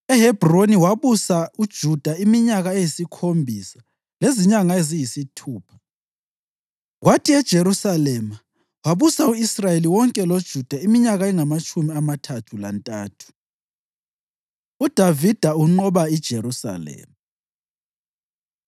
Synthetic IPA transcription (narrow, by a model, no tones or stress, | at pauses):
ɛhɛb̥ʱroniwaβusaud̥ʒ̥ʱud̥ʱaimiɲaɣaejisikʰombʱisḁ | leziɲaŋaezijisitʰuːpʰḁ | ɣwatʰiɛd̥ʒ̥ʱeɾusalɛma | waβusauisrajeliwɔŋkʼɛlod̥ʒ̥ʱud̥ʱaimiɲaɣaɛŋamat͡ʃʼumiamatʰatʰula̰ntʼaːtʰu̥ | ud̥ʱavid̥ʱauŋ͡ǃɔβaid̥ʒ̥ʱeɾusa̰lɛ̰ːma